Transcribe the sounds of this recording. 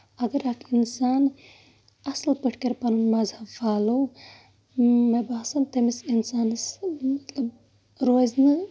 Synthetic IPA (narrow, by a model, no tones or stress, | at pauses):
ɐɡɐɾakʰinsaːn | ɐslpɨʈʰkɐɾpɐnunmɐzɐfaːlo | mebaːsɐnt̪ɐmisinsaːnɨsmɐt̪lɐb | ɾoːznɨ